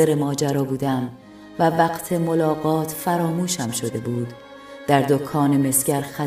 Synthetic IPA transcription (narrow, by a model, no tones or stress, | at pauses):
eɾemɒːd͡ʒæɾɒːbuːd̪æm | vævæqt̪ʰe̞molɒːɢɒːt̪ʰfæɾɒːmuːʃhæmʃo̞d̪e̞buːd̪ | d̪̥æɾd̪okʰɒːneme̞sɟ̥æɾxæ